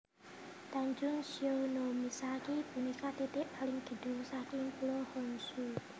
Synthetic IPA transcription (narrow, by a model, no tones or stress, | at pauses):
t̪aɲd͡ʒʊŋsionomisakib̥ṳnikat̪it̪ɪʔpalɪŋd̪̥ə̤d̥ṳŋsakiŋpulohɔnsu